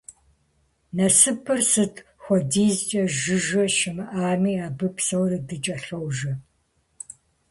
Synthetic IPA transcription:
nɐsɨpʰɨrsɨtʰ | xʷɔdiːzt͡ʃʼɐʒɨʒɐʃɪmɨʔaːmiːabɨpʰsɐwrɨdɨt͡ʃʼɐɬɐwʒɐ

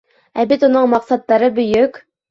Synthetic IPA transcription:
æbɘt̪unɤɴmɑqsɑt̪ːɑɾɤbɵ̆jɵk

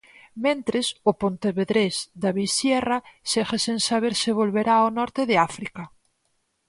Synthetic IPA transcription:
mẽnt̪ɾesʊpont̪eβeðɾezd̪aβisjɛrasexesẽnsaβ̞eɾsɪβ̞olβeɾaonɔɾt̪eðeafɾika

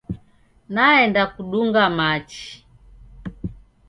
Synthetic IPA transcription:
naɛndakuɗuŋɡamat͡ʃi̥

